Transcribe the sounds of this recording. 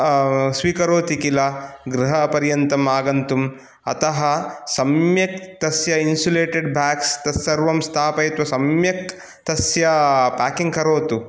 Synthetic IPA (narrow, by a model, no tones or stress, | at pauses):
sʋiːkɐɾoːt̪ikilɐɡɾɐɦɐpɐɾjɐnt̪ɐmaːɡɐnt̪um | ɐ̰t̪ɐɦɐsɐmjɐk̚t̪ɐsjɐinsuleːʈeɖbʱaːkst̪ɐsɐɾʋɐmst̪ʰaːpɐjt̪ʋɐsɐmjɐk̚ | t̪ɐsjɐpaːkiŋɡkɐɾoːt̪u